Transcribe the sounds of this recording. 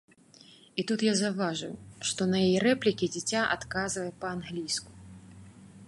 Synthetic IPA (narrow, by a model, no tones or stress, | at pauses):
it̪ut̪jazawvaʐujuʂt̪ɔnɐjajɛɾɛplʲikʲid͡zʲit͡sʲaʔa̰t̪kazvɐjɛpɐanɣlʲisku̥